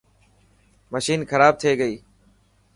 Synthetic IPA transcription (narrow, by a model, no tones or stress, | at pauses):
məʃiːnxəɾaːb̚t̪ʰeːɡəiː